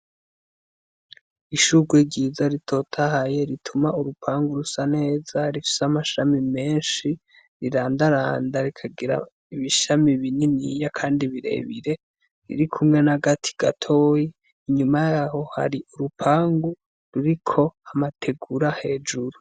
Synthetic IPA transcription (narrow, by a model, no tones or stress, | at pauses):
iʃuɡweɟiːzaɾitʰo̞ːtʰahaje̞ɾitʰumauɾupʰaːŋɡuɾusane̞ːzaɾifi̥seamaʃamime̞ːnʃi | ɾiɾaːndaɾaːndaɾikʰaɡiɾa̰ | iβiʃamiβininḭjakʰaːndiβiɾe̞̰βiɾe̞ | ɾḭɾikʰumŋe̞naɡatʰi̥ɡ̥atʰoːjiː | ɲumajaho̞ha̰ɾiuɾupʰaːŋɡu | ɾuɾikʰo̞amatʰe̞ɡuɾahe̞ːd͡ʒuɾu